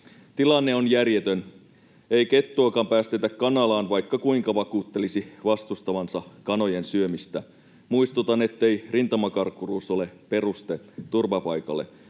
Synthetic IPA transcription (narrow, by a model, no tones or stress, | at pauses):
t̪ilɑnːeo̞njærjet̪øn | ejke̞t̪ːuːkɑmpæːst̪et̪ækkɑnɑlɑːnʋɑjkːɑkuiŋkɑʋɑkuːt̪ːe̞lisiʋɑst̪ust̪ɑʋɑnsɑkɑno̞jensyømist̪æ | muist̪ut̪ɑne̞t̪ːejrint̪ɑmɑkɑrkːuruːso̞le̞pe̞rust̪et̪urʋɑpɑjkɑlːe̞̰